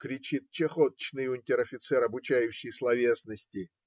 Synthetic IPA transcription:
kɾʲɪt͡ɕit̪̚t͡ɕexot̪t͡ɕnɨjʊnʲtʲɪɾɐfʲɪt̪sɛɾɐbʊt͡ɕæjʊɕːɪjslˠɐvʲesnəsʲtʲɪ

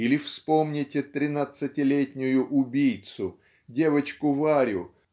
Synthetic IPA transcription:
ilʲɪfspo̞mnʲɪtʲɪt̪ɾʲɪnat̪sɨtʲɪlʲetʲnʲʊjʊʔʊbʲijt̪sʊ | dʲe̞vət͡ɕkʊvaɾʲʊ̰

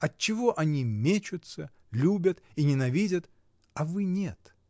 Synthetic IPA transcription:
ɐt̚t͡ɕːɪvo̞ʔɐnʲimʲet͡ɕʊt̪sə | lʲubʲət̪inʲɪnɐvʲidʲət̪ | ɐvɨnʲet̪

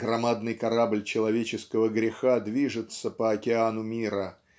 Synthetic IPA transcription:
ɡ̥ɾɐmad̪nɨjkɐɾablʲt͡ɕɪlˠɐvʲet͡ɕɪskəvəɡɾʲɪxad̪vʲiʐɨt̪səpəɐkʲɪanʊmʲiɾə

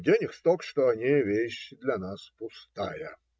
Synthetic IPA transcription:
dʲenʲɪxst̪okʂt̪oɐnʲevʲeɕd̪lʲɐnaspʊst̪ajə

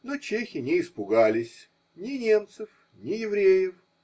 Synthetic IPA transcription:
not͡ɕexʲɪnʲɪːspʊɡalʲɪsʲ | nʲɪnʲe̞mt̪sɨf | nʲɪjɪvɾʲejɪf

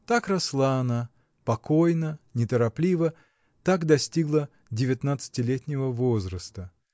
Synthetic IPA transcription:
t̪akrɐslˠaːna | pɐko̞jnənʲɪt̪əɾɐplʲivə | t̪akd̪ɐsʲtʲiɡlˠə | dʲɪvʲɪt̪nat̪sɨ̥tʲɪlʲetʲnʲɪvəvozɾəst̪ə

